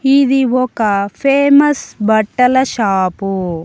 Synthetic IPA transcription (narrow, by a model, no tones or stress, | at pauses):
id̪iɔkɐpʰeːmɐsbɐʈːɐlɐʃaːpu